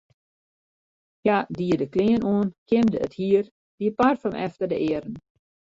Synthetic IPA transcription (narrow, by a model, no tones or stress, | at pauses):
jadiədəklɪənʔuənkɪmdəəthiər | d̥iəparfəmʔɛftərdəʔɪəɾən